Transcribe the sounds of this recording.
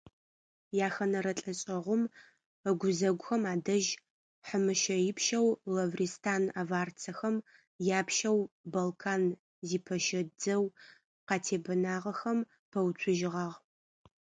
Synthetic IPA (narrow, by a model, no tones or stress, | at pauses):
jaːxɐnɐɾɐɬʼɐɕʼɐʁʷʊm | əɡʷʊzɐɡʷʊxɐmaːdɐʒ | ħəmɨʃɐjɪpʰʃɐwlɐvristʰaːnavaːrt͡sʰɐxɐm | jaːpʃɐwbɐlkʰaːn | ziːpʰɐʃɐd͡zɐw | qɑːtʰeːbɐnaːʁɐxɐm | pʰɐwt͡sʷʰʊʒɪʁɑːʁ